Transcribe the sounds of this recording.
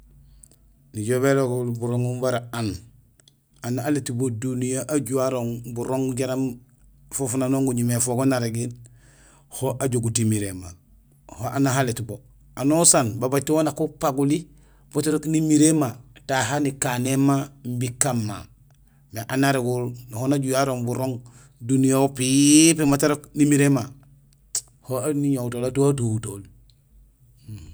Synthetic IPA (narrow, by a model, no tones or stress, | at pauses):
niɟoβeloɡulbuɾoŋubaɾaan | anaaletibodunijaʔaɟuaɾoŋbuɾoŋɟaɾam | fofunanoːŋɡuɲimefoɡonaɾeɡin | hoʔaɟoɡutimiɾema̰ | hoʔanaɦaletbo | anosanbabaɟ̚twonakupaɡuli | b̥otaɾoknimiɾemataɦanikanemambikːamːa̰ | meʔanaɾeɡulnahonaɟujaɾoŋbuɾoŋ | dunijaopipemataɾoknimiɾema | hoaniɲowtoːlatuatutol